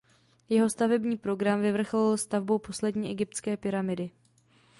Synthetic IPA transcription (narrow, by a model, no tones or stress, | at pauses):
jɛɦo̞st̪avɛbɲiːpɾo̞ɡɾamvɪvr̩xlɪlst̪avbo̞wpo̞slɛdɲiːʔɛɡɪp̚t̪t͡skɛːpɪɾamɪdɪ